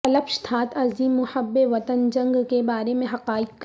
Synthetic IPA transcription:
ɐləpʃt̪ʰaːt̪ʰɐziːmːʊhəbːeʋɐt̪ənd͡ʒɐ̃ŋɡkebaːɾemẽɦɐqaːɪkːk

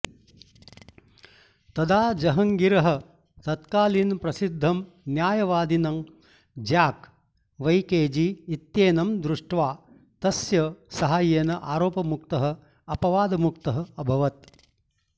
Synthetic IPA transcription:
t̪ɐd̪aːd͡ʒɐɦɐŋɡiɾɐɦɐ̆ | t̪ɐt̪kaːlinpɾɐsid̪ʱːɐm | njaːjɐʋaːd̪inɐm | d͡ʒjaːk | ʋɐjkeːd͡ʒiːt̪jeːnɐmd̪ɾuʂʈʋaː | t̪ɐsjɐsɐɦaːjeːnɐʔaːɾoːpɐmukt̪ɐɦɐ̆ | ɐpɐʋaːd̪ɐmukt̪ɐɦɐ̆ɐbʱɐʋɐt̪̚

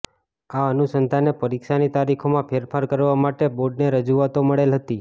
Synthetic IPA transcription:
aənusənd̪ʰʱanepəɾikʃanit̪aɾikʰomãpʰeɾpʰaɾkəɾʋamaʈeboɖneɾəd͡ʒuʋat̪oməɭelɦət̪i

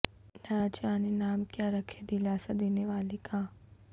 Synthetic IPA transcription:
nãt͡ʃaːnenaːmkjaːɾəkʰed̪ilaːsad̪eːneʋaːlikãː

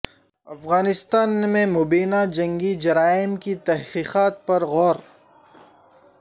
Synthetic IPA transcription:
ɐfɣaːnɪst̪aːnmẽmʊbiːnad͡ʒɐ̃ŋɡid͡ʒɐɾaːɪmkit̪ɐɦqiːqaːt̪̚pɐɾɣɔːɾ

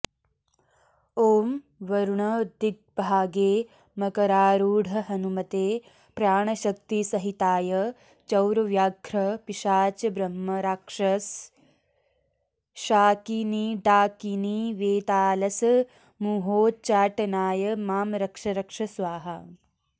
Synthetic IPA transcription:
oːm | ʋɐɾuɳɐd̪id̪̚bʱaːɡeː | mɐkɐɾaːɾuːɽʱɐɦɐnumɐt̪eː | pɾjaːɳɐʃɐk̚t̪isɐɦit̪aːjɐ | t͡ʃɐwɾɐʋjaːɡʱɾɐpiʂaːt͡ʃɐbɾɐmːɐɾaːkʂɐs | ʃaːkiniɖaːkiniʋeːt̪aːlɐsɐ | muːɦoːt͡ʃaːʈɐnaːjɐmaːmɾɐkʂɐɾɐkʂɐsʋaːɦɐ

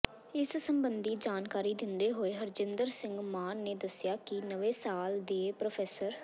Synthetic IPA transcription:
ɪssəmbənd̪iːd͡ʒaːnkaːɾiːd̪ɪnd̪eːɦoːeːɦəɾd͡ʒɪnd̪əɾsɪ̃ŋɡmaːnːeːd̪əsɪjaːkɪnəʋeːsaːld̪eːpɾoːpʰɛːsəɾ

